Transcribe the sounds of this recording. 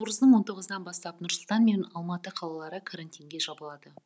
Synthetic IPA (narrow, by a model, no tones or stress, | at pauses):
uɾəzd̪əɴwo̞nt̪ʰo̞ʁəzəd̪ɑnbɑst̪ɑpnʊɾsʊlˠt̪ɑnme̞nɑlˠmɑt̪əqʰɑlˠɑlˠɑɾəkʰaɾanʲt̪ʲijŋɡʲe̞ʒɑbəlˠɑd̪ə